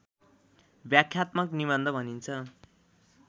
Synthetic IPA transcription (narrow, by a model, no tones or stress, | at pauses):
bjakʰjat̪mʌkniβʌnd̪ʱʌbʱʌnint͡sʰʌ